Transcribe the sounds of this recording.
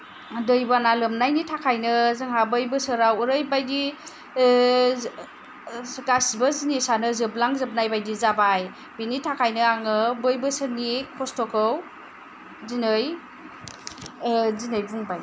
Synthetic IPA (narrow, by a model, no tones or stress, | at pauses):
dɯjbanalɯmnajnitʰakʰajnɯzɯŋɦabɯjbɯsɯɾawuɾɯjbajdi | ɡasibazinisanɯzɯblaŋzɯb̚najbajdizabaj | binitʰakʰajnɯaŋɯbɯjbɯsɯnikʰɔstɔkʰɯw | zinɯj | zinɯjbuŋbaj